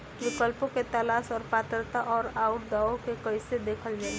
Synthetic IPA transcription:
ʋɪkəlpõket̪əlaːsɔːɾpaːt̪ɾət̪aʔɔːɾaːʊnd̪aːõkekəɪsed̪eːkʰəld͡ʒaːi

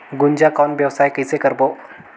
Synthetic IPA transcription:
ɡund͡ʑakɔnʋjəʋsaːjkəsekəɾbo

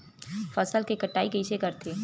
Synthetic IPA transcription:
fəsəlkekəʈːaːikeiʃekəɾt̪ʰeː

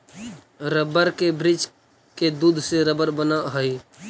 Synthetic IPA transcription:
ɾəbəɾkebɾɪd͡ʒ | ked̪uːd̪ʱseɾəbəɾbənaɦəi

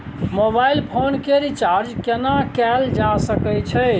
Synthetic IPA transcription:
mobailpʰonkeɾit͡ʃaɾd͡ʒkenakɛld͡ʒasəkɛt͡ʃʰɛ

